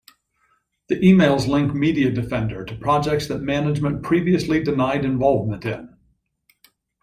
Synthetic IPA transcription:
ðiʔimeɪlˠzlɪ̃ŋk̚miɾiɨdɨfɛ̃ndə˞ɾɨpʰɹ̥ɑd͡ʒɛk̚tsðɨt̚mænɨd͡ʒmɨ̃npʰɹ̥iviɨslidɨnaɪɾɨ̃ɱvɑlˠvmə̃ntɪ̰̃n

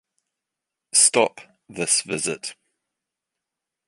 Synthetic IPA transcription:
stɒp | ðɪsvɪzɪt

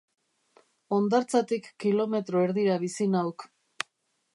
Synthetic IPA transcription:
o̞nd̪aɾt͡sat̪ikːilo̞me̞t̪ɾo̞e̞ɾðiɾaβisinawk

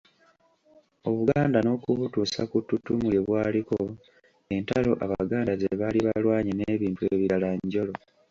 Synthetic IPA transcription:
o̞βuɡaːndano̞kuβutuːsa̰kutːutːumujeβwaːliko | e̞ntalo̞ʔaβaɡaːndazeβaliβalwaːɲineːβiːntueːβiɾalaɲɟo̞lo̞

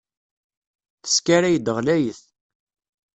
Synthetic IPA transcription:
θə̥skaɾæjəd̪əʁlæjəθ

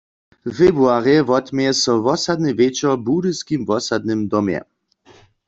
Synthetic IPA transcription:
vebuaʁɛvɔt̪mɛsɔvɔsad̪nɪvet͡ʃɔbudɨskimvɔsad̪nɪmd̪ɔmjɛ̰

